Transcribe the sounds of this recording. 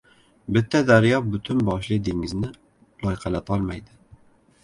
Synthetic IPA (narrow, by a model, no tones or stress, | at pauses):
bɪt̪ʰːɛd̪æɾjɑbyt̪ʰynbɑʃlˠɨd̪eŋɪznɪ | lˠɑjqʰælæt̪ʰɑlˠmɑjd̪ɪ